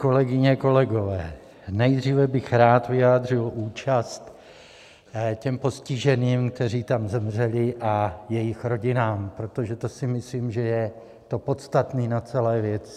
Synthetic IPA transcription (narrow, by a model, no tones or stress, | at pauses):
ko̞lɛɡɪɲɛko̞lɛɡo̞vɛː | nɛjd̪riːvɛbɪxɾaːt̪vɪjaːd̪r̝ɪlʔuːt͡ʃast̪ | cɛmpo̞scɪʒɛniːmk̚t̪ɛriːt̪amzɛmr̝ɛlɪʔajɛjɪxɾo̞ɟɪnaːmpɾo̞t̪o̞ʒɛt̪osɪmɪsliːmʒɛjɛ | t̪o̞po̞t̪st̪at̪niːnat͡sɛlɛːvjɛt͡s